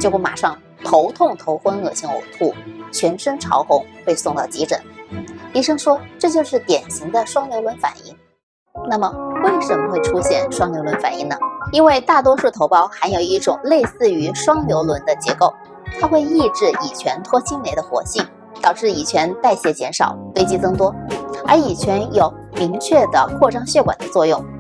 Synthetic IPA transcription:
t͡ɕjo˥˧ʊku˥˩ma̰˨˩ʂɑ˥˩ŋ | t̪ʰo˧˥ʊt̪ʰʊ˥˩ŋt̪ʰo˧˥ʊxwə˥nɤ˥˩ɕi˧˥ŋṵ˨˩t̪ʰu˥˩t͡ɕʰɥɛ˧˥nʂə˥nʈ͡ʂʰɑ̰˧˥ʊxʊ˧˥ŋxwe˥˧ɪsʊ˥˧ŋt̪ɑ˥˩ʊt͡ɕi˧˥ʈ͡ʂə̰˨˩˦nt̪i˧˥ʂɤ˥ŋʂwɔ˥ʈ͡ʂɤ˥˧t͡ɕjo˥˧ʊʂɻ̩˥˩t̪jɛ˨˩nɕi˧˥ŋd̪ə˧ʂwɑ˥ŋljo˧˥ʊlwə˧˥nfa̰˨˩nḭ˥˩ŋ | na˥˩mə˩we˥˩ɪʂə˧˥mə˧xwe˥˩ɪʈ͡ʂʰu˥ɕjɛ˥˩nʂwɑ˥ŋljo˧˥lwə˧˥nfa̰˨˩nḭ˥˩ŋnə˩i˥nwe˥˧ɪt̪a˥˩t̪wɔ˥ʂu˥˩t̪ʰo˧˥ʊpɑ˥˩ʊxa˧˥ɪjo˨˩ʊi˥˩ʈ͡ʂʊ˨˩ŋle˥˧ɪsɹ̩˥˩y˧˥ʂwɑ˥ŋljo˧˥ʊlwə˧˥nd̪ə˧t͡ɕjɛ˧˥ko˥˩ʊ | t̪ʰa˥xwe˥˧ɪi˥˧ʈ͡ʂɻ̩˥˩i˨˩t͡ɕʰɥɛ˧˥nt̪ʰwɔ˥t͡ɕʰi˥nne˧˩ɪd̪ə˧˦xwɔ̰˧˥ɕi˥˩n | t̪ɑ˨˩ʊʈ͡ʂɻ̩˥˩i˨˩t͡ɕʰɥɛ˧˥nt̪a˥˩ɪɕjɛ˧˥t͡ɕjɛ˧˥nʂɑ̰˨˩ʊfe˥ɪt͡ɕi˥kɤ˥ŋt̪wɔ˥ə˞˧˥i˨˩t͡ɕʰɥɛ˧˥njo˨˩ʊ | mi˧˥ŋt͡ɕʰɥɛ˥˩d̪ə̰˩kʰwɔ˥˧ʈ͡ʂɑ˥ŋɕɥɛ˥˩kwa̰˨˩nd̪ə˦t͡swɔ˥˧jʊ˥˩ŋ

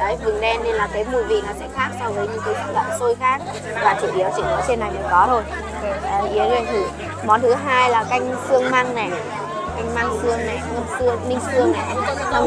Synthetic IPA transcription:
ɔ˨˦jvɨ˨˩ŋɗɛ˧nːe˧nlaː˨˩kaː˨˦jmṵ˧˩˨jvḭ˧˨nɔ˨˦sɛ̰˧˥xaː˧˩ŋsɔ˧vəː˨˦jɲɨ̰˧˥˦ŋkːjtḭ˧˥lə̰˧˨mso˧jxaː˦˥k̚ | vaː˨˩t̪ʰi˧˩ɗi˨˩əwt͡ɕḭ˧˩ŋkɔ˨˦t͡ɕe˧nːa˨˩jnə˨˩˦jkɔ˨˦t̪ʰo˧j | ʔːʔi˨˦əlḭ˧˨ənt̪ʰɨ˧˩ | mɔ˨˦nt̪ʰɨ˨˦ɦaː˧jlaː˨˩ka˧jŋ̟sɨ˧əŋmaː˧ŋnɛ˨˩ | ka˧jŋmaː˧ŋsɨ˧əŋna˨˩ŋə˧msɨ˧əŋnï˧ŋ̟sɨ˧əŋna˨˩˦

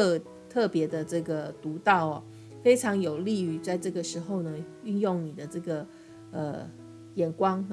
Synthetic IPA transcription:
t̪ʰɤ˥˩pjɛ˧˥d̪ə˧ʈ͡ʂɤ˥˩ɡə˩t̪u˧˥t̪ɑ˥˩ʊɐ˨˩ | fe˥ɪʈ͡ʂʰɑ˧˥ŋjo˨˩ʊli˥˩y˧˩t͡sa˥˧ɪʈ͡ʂɤ˥˩ɡə˩ʂɻ̩˧˥xo˥˧ʊnə˩ | y˥˧njʊ˥˩ŋni˨˩d̪ə˦ʈ͡ʂɤ˥˩ɡə˩ | ə˨ | jɛ˨˩nkwɑ˥ŋ

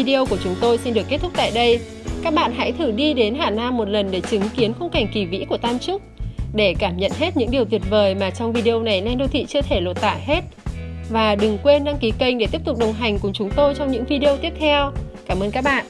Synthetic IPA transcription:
i˧ɗi˧ə˧ku˧˩ət͡ɕʊ˨˦ŋ͡mt̪o˧jsi˧nɗɨ˨˩əkːt̚t̪ʰʊ˦˥k͡p̚t̪a̰ː˧˨jɗə˧j | kaː˦˥k̚ɓa̰ː˧˨nɦa̰˧˥jt̪ʰɨ˧˩ɗi˧ɗe˨˦nɦaː˨˩naː˧mːo˨˩t̚lə˨˩nɗe˧˩t͡ɕɨ˨˦ŋki˨˦ənxə˧wŋ͡mka˨˩jŋ̟ki˨˩vḭ˧˥ku˧˩ət̪aː˧mt͡ɕʊ˦˥k͡p̚ɗe˧˩kaː˧˩mɲə̰˧˨nɦe˦˥t̚ɲɨ̰˧˥ŋɗi˨˩əwt̪wi˨˩ət̚vəː˨˩jmaː˨˩t͡ɕɔ˧wŋ͡mvi˧ɗi˧ə˧na˨˩jlɛ˧nɗo˧t̪ʰḭ˧˨t͡ɕɨ˧ət̪ʰe˧˩lo˨˩t̚t̪a̰ː˧˨ɦe˦˥t̚vaː˨˩ɗɨ˨˩ŋkwe˧nɗa˧ŋki˨˦kə˧jŋ̟ɗe˧˩t̪i˦˥əp̚t̪ʊ˨˩k͡p̚ɗə˨˩wŋ͡mɦa˨˩jŋ̟kʊ˨˩ŋ͡mt͡ɕʊ˨˦ŋ͡mt̪o˧jt͡ɕɔ˧wŋ͡mɲɨ̰˧˥ŋvi˧ɗi˧ə˧t̪i˦˥əp̚t̪ʰɛ˧wkaː˧˩mʔəː˧nkaː˦˥k̚ɓa̰ː˧˨ʔ

